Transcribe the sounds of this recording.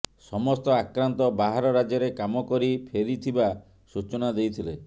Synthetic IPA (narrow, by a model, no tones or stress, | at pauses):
sɔmɔst̪ɔakɾant̪ɔbaɦaɾɔɾad͡ʒjɔɾekamɔkɔɾipʰeɾit̪ʰiba | sut͡ʃɔnad̪ejt̪ʰile